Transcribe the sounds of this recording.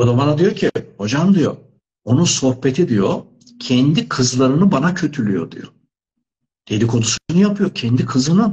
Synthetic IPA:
od̪abanad̪ijoɾcʰiho̞d͡ʒamd̪ijo̞̰ | onuso̞hpe̞t̪ʰid̪ijo | cʰɛnd̪ikʰɯzlˠaɾɯnɯbanacʰø̞t̪ʰylʲyjo̞̰d̪ḭjo̰ | d̪̥ed̪ikʰo̞nusuunɯjapʰɯjo̞cʰɛnd̪ikʰɯzɯnɯ

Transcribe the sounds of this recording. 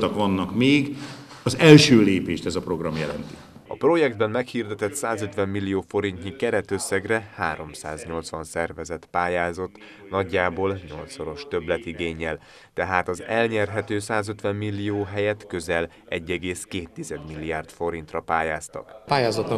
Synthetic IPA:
t̪ɒkʋɒnːɒkmeːɡ | ɒzɛlʃøːleːpeːʃt̪ɛzɒpro̞ɡrɒmjɛlɛnt̪i̥ | ɒ̰pro̞jɛɡd̪̚bɛmmɛkhird̪ɛt̪ɛt̪saːzø̞t̪ʋɛmːilːijoːfo̞ɾint̪ɲikɛɾɛt̪øsːɛɡrɛhaːɾo̞msa̰ːzɲo̞lt̪sʋɒnsɛrvɛzɛt̪paːjaːzo̞t̪ː | nɒɟːaːboːlɲo̞lt̪soɾo̞ʃt̪ø̞blɛt̪iɡeːɲːɛl | t̪ɛɦaːt̪ɒzɛlɲɛrɦɛt̪øːsaːzø̞t̪ʋɛmːilːioːɦɛjɛt̪kø̞zɛl | ɛɟːɛɡeːskeːt̪ːizɛd̪milːijaːrt̪fo̞ɾint̪rɒpaːjaːst̪ɒ̰kpaːjaːzɒt̪ːɒ

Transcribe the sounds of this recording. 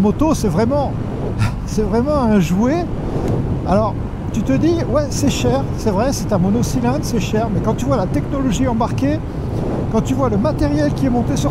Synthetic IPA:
mɔt̪osɛvʁɛmɑ̃ | sɛvʁɛmɑ̃ɛ̃ʒwe | alɔʁ | t̪yt̪əd̪iwɛsɛʃɛʁsɛvʁɛsɛt̪ɛ̃mɔnɔsilɛ̃d̪sɛʃɛʁmɛkɑ̃t̪yvwalat̪ɛknɔlɔʒiɑ̃baʁkʲe | kɑ̃t̪yvwaləmat̪eʁjɛlkʲiɛmɔ̃t̪esyʁ

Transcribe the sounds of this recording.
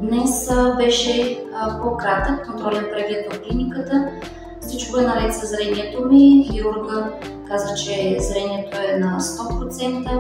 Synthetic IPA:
d̪nɛsbɛʃɛpokɾat̪əkːont̪ɾɔlɛnpɾɛɡlɛt̪vofklinikət̪ə | fsit͡ʃkoɛnɐɾɛt̪sɐzɾɛniɛt̪omiɡiuɾɡə | kazət͡ʃɛzɾɛniɛt̪oɛnɐst̪ɔpɾot̪sɛnt̪ə

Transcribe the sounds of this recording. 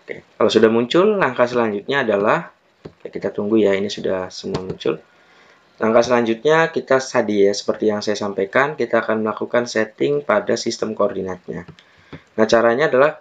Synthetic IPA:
okḛkalasudahmuɲt͡ʃʊllaŋkas̬əlaɲd͡ʒut̪̚ɲaːdalah | kajakit̪at̪uŋɡujainisudahsəmuamuɲt͡ʃʊ̰l | laŋkasəlaɲd͡ʒʊt̪̚ɲakit̪asadijasə̥pərt̪ijaŋsajasampajkankit̪aːkanməlakukansɛt̪ɪŋpadasist̪əmkoːrdinat̪ɲa̰ | nat͡ʃaɾaɲaːdalah

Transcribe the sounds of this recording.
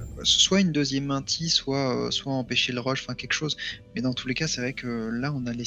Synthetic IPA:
swaynd̪øzjɛmːɛ̃t̪ʰiswaø̰swaɑ̃peʃeləʁɔʃɑ̃fɛ̃kʲɛlkʃozmɛd̪ɑ̃t̪ʰulekasɛvʁɛkʰəlaɔ̃nale

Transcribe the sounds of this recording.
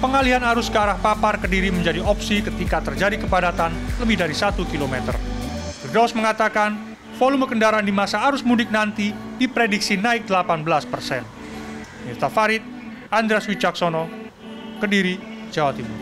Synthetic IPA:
pəŋaliɦanaɾʊskəaɾahpaparkədiɾiməɲd͡ʒadiʔɔpsikət̪ikat̪ərd͡ʒadikəpadat̪anləbɪhdaɾisat̪ukilomɛt̪ə̰rɡ̥dɔsməŋat̪akan | folʊmbəkəndaɾandimasaːɾʊsmunɪk̚nant̪idipɾedɪk̚sinaɪk̚d̥əlapanbəlaspərsɛn | mirt̪afaɾɪt̪̚ | and̪ɾeaswit͡ʃaksonɔ | kədiɾid͡ʒawat̪imur

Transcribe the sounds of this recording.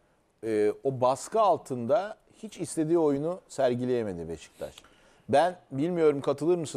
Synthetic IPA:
ɛːo̞baskaalˠt̪ʰɯnd̪a | hit͡ʃist̪ʰʲe̞d̪iːo̞junusæɾɟilʲe̞jeme̞d̪ibeʃi̥ct̪ʲæ̰ʃ | bænbilʲmijo̞ɾumkʰat̪ʰɯlˠɯɾmɯsɯ

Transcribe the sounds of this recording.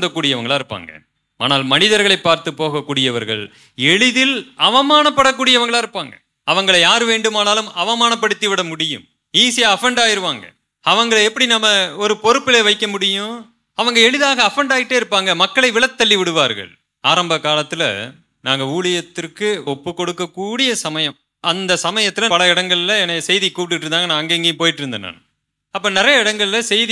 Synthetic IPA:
nd̪ɐkːuːɽɪjɐʋɐŋɡɐɭaːɪɾɯpːa̰ːŋɡɐ̰ | a̰ːnaːlmɐnɪðɐɾɣɐɭɐɪpːaːɾt̪ɯpːoːɣɐkːuːɽɪjɐʋɐɾɣɐ̰ɭ | ɛɭɯðɪlɐʋɐmaːnɐpːɐɽɐk̬ːuːɽɪjɐʋɐŋɡɐɭaːɪɾɯpːaːŋɡɐ | ɐʋɐŋɡɐɭɐjaːɾɯʋeːɳɖɯmaːnaːlɯmɐʋɐmaːnɐpːɐɽɯt̪ːiʋɪɽɐmʊɽɪjɯ̰m | iːsɪjaɐfɛɳɖaːjɪɾɯʋaːŋɡɐ̰ | ɐʋɐŋɡɐɭɛpːɐɽinɐmːɐɔɾɯpɔɾɯpːɪleːʋɐɪkːɐmʊɽɪjʊ̃ | ɐʋɐŋɡɐɛɻɯðaːɣɐːfɛɳɖaːɣɪʈːeːɪɾɯpːaːŋɡɐmɐkːɐɭɐɪʋɪɭɐt̪ːɐɭːiʋɪɽɯʋaːɾɣɐ̰ɭ | aːɾɐmbɐkːaːlɐt̪ːɪlɐ̰ | naːŋɡɐuːɭɪjɐt̪ːɪrkɯɔpːɯkɔɽɯkːɐkːuːɽɪjɐsɐmɐjɐm | ʔɐnd̪ɐsɐmɐjɐt̪ːɪlɐpɐlɐɪɽɐŋɡɐɭɪlɐɛnɐsɛjðikːuːʈ̬ːɪʈːɾɯnd̪aːŋɡɐnãːɐŋɡeːŋɡeːj̃poːjɪʈːɪɾɯnd̪ɐnːa̰ːnɐ̰ | ɐpːoːnɪɾɐjɐɪɽɐŋɡɐɭɪlɐsɛjði

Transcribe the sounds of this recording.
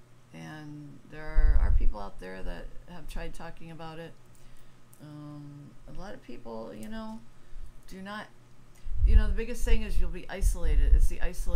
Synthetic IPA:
ɨ̃nðə˞ə̰˞pʰipl̩ˠaʊt̪̚ðə˞ðɨ̰t̚hɨv̥tʰɹ̥aɪd̚tʰɔkɪ̃ŋɨbaʊɾɪt̚ | ʌ̃məlɔɾʌv̥pʰipl̩ˠjɨnoʊd̥ɨnət̚ | jɨnoʊðəbɪɡɨst̪̚θɪ̃ŋɨzjulˠbiʔaɪsəleɪɾɨdɪ̰tsðiʔaɪsəl

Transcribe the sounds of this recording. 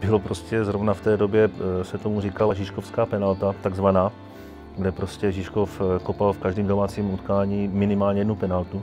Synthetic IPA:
b̥ɪlopɾoscɛzɾovnaft̪ɛːdobjɛsɛt̪omur̝ikalaʒɪʃkofskaːpɛnalt̪at̪aɡzvanaː | ɡdɛpɾoscɛʒɪʃkofkopalfkaʒdiːmdomaːt͡siːmut̪kaːɲiːmɪnɪmaːlɲɛjɛdnupɛnalt̪u

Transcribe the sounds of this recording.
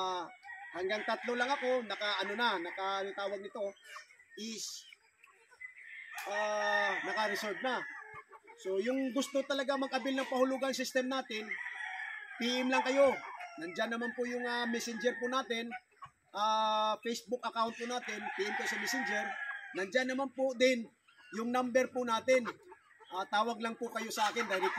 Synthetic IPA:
ahɐŋɡaŋt̪ɐt̪lo̞lɐŋɐko̞nɐkaʔɐno̞nanɐkaɪt̪aːwɐɡ̚nɪt̪o̞ʔɪs | ʔaːnɐkɐɾɪsolv̚na | so̞jʊŋɡʊst̪ot̪ɐlɐɡaŋmɐɡ̚ʔɐbilnɐŋpɐhʊlʊɡansɪst̪ɛmnaːt̪ɪn | piʔɪmlaŋkɐjo̞nɐnd͡ʒanːɐmanpʊjʊŋamɛsɪnd͡ʒɛɾpʊnaːt̪ɪn | ʔaːfɛjsbʊk̚ʔɐkawnt̪̚pʊnaːt̪ɪnpiːʔɪmkɐjosɐmɛsɪnd͡ʒɛɾnɐnd͡ʒanːɐmanpʊd̪ɪn | jʊŋnambɛɾpʊnaːt̪ɪn | ʔaːt̪aːwɐɡlaŋpʊkɐjo̞sɐʔaːkɪnd̪aːhɪl

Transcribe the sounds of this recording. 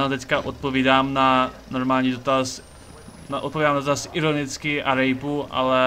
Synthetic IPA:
nat̪ɛckaʔot̪̚poviːdaːmnano̞ɾmaːlɲiːdot̪as | naʔot̪̚povidaːmnad̪ot̪asʔɪɾonɪt͡skɪʔaɾɛjpuʔa̰lɛ

